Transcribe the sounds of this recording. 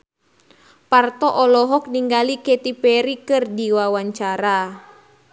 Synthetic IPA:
part̪ɔʔɔlɔɦɔk̚niŋɡalikɛt̪ipɛɾikɨrdiwawaɲt͡ʃaɾa

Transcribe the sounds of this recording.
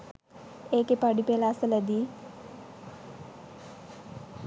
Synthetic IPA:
eːkepaɖipeːlasələd̪iː

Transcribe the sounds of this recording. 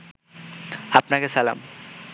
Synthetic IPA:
apnakesala̰m

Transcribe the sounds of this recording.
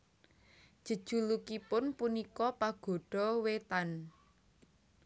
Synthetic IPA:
d̥ʒ̥ə̤d̥ʒ̥ṳlukipʊnpunikɔpaɡ̥ɔ̤ɖ̥ɔwet̪an

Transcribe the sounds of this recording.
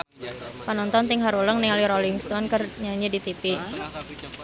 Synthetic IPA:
pənɔnt̪ɔnt̪ɪŋɦaɾuləŋnialiɾolɪŋst̪ɔnkərɲaɲidit̪ipi

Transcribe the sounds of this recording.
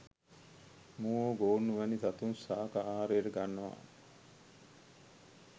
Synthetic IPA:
muːoːɡoːnːuʋænit̪at̪unsaːkaaːɾeːɾəɡanːəʋa̰

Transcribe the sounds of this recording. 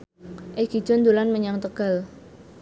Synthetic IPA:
ʔeɡ̥id̥d͡ʒ̥ɔnd̪olanməɲaŋt̪əɡ̥a̤l

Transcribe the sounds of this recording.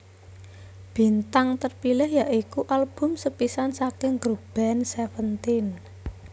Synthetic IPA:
b̥i̤nt̪aŋt̪ərpilɪhjaʔikuʔalb̥ʊ̤msəpisansakɪŋɡɾub̥ɛnsɛfənt̪in

